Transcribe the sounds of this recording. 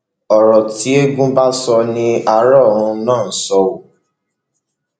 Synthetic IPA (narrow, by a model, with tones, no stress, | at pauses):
ɔ˨ɾɔ˨ti˦e˦ɡũ˦ba˦sɔ˧nĩ˧a˧˦ɾɔ˦˨ɾ̃ũ˧nãː˦˨˦sɔ˧wo˨